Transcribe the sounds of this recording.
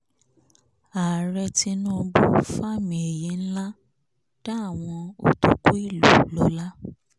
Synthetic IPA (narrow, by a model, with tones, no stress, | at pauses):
a˨ɾɛ˧ti˧nũ˦˧bu˦fa˦˨mĩ˨e˨je˨˦n̩˦la˦ | d̥a˦a˦˨w̃ɔ̃˧o̰˨to˨ku˦i˦˨lu˨lɔ˨˧˦la˦